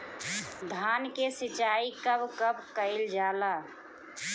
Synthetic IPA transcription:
d̪ʱaːnkesɪt͡ʃaːikəbkəbkəɪld͡ʒaːlaː

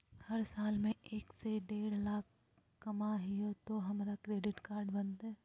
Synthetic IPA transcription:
hɐɾsaːlmẽʔeːkseɖeːɽlaːk̚ʰ | kɐmaɦiot̪oɦɐmɾakɾeːɖɪʈkaːɾɖbɐnt̪ɛː

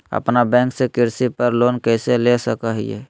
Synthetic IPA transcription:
ə̰pnabɛ̃ːŋksekɪɾsipəɾlonkɛɪselesəkəɦḭjḛ

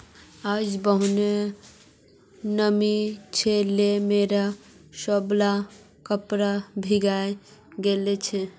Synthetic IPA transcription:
ad͡ʒbəɦune | nəmit͡ʃʰɛlemeɾa | səbla | kəpɾabʱiɡaj | ɡelet͡ʃʰɛ

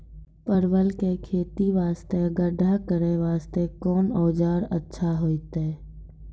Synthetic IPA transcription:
pəɾwəlkekʰeːt̪iʋaːst̪eəɡəɖʱakəɾeʋaːst̪ekɔːnɔːd͡ʒaːɾətːʃʰaɦoːit̪eː

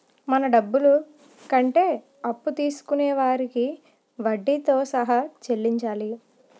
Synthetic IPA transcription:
mɐnɐɖɐbːulu | kɐɳʈe̞ː | ɐpːut̪iːsu̥kuneɛːʋaːɾiki | ʋɐɖːit̪o̞ːsɐɦɐt͡ʃe̞lːiɲt͡ʃaːli

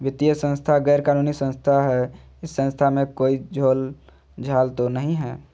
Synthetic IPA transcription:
ʋɪt̪ijəsə̃nst̪ʰaɡɛːɾkaːnuːnisə̃nst̪ʰaɦɛ | ɪsːə̃nst̪ʰamẽkoːid͡ʒʱoːl | d͡ʒʱaːlt̪onəɦĩɦɛː

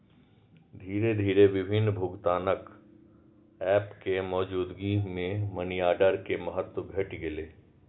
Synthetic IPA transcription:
d̪ʱiːɾed̪ʱiːɾeʋɪbʱɪnːbʱʊɡt̪aːnək | ɛːpkemɔːd͡ʒuːd̪ɡimẽmənijaːɖəɾkemɐɦət̪wəɡʱɐʈɡɪleː

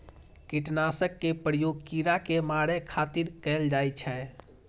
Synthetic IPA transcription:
kiʈnasəkːepɾəjoɡ̚kiɾakemaɽekʰat̪iɾkɛld͡ʒajt͡ʃʰɛ

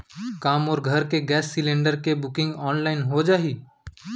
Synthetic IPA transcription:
kaːmɔːɾɡʱəɾkeɡɛːsːɪlẽːɳɖəɾkebʊkɪ̃ŋɡɔːnlaːɪnɦod͡ʒaːɦiː

